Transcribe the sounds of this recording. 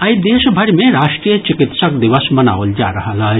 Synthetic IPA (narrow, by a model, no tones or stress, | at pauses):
ɐjd̪eːʃbʱɐɽmẽɾaːʂʈɾijət͡ʃikɪt̪səkd̪iʋəsmɐna̰ːʋəld͡ʒa̰ːɾɐɦalaː